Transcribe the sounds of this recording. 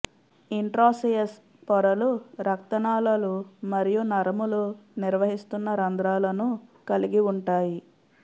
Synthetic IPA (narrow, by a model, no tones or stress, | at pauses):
iɳʈɾoːsijɐs | pɔɾɐluɾɐk̚t̪ɐnaːlɐlumɐɾijunɐɾɐmuluniɾʋɐɦist̪unːɐɾɐnd̪ɾaːlɐnukɐliɡiuɳʈaːji